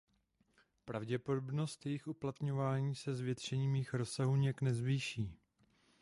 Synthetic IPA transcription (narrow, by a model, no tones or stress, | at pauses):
pɾavɟɛpo̞dobno̞st̪jɛjɪxʔuplat̪ɲo̞vaːɲiːsɛzvjɛt̪rɛɲiːmjixɾo̞saɦuɲaknɛzviːʃiː